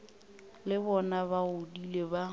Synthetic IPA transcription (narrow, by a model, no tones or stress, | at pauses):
lɪbɔnabaʊdileba